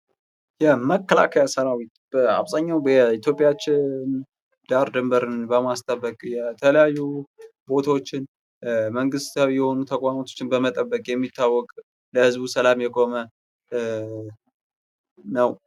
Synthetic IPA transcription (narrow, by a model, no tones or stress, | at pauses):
jɛməkʰːəla̰kʰəjasənawit̪̚b̥əa̰βzaɲːawɛit̪ʰjo̞pʼɪjat͡ʃːɪn | d̪̥aɾd̪ɨmbəɾɨnbəmast̪ʰʼəbːəkʼjɛt̪ʰələjajːubo̞t̪ʰawot͡ʃːɪn | məŋɡɨst̪awijɛho̞nut̪ʰəkʼwamot̪ʰot͡ʃːɪnbəmət̪ʼəbːəkʼjɛmːit̪ʰːawːɔkʼ | ləhɨzbusəlamjɛkʼo̞mə | nəw